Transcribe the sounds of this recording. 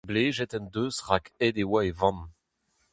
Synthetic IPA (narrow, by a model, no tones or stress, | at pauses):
bleːʒɛt̪ɛ̃nd̪øːzʁakɛd̪ewaevɑ̃n